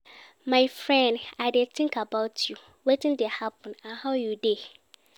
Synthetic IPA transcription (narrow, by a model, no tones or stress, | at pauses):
mãɪfɹɛ̃ndaɪdɛtʰɪ̃ŋkabaʊtʰju | wetɪ̃ndɛhapʰɔ̃nãhawjude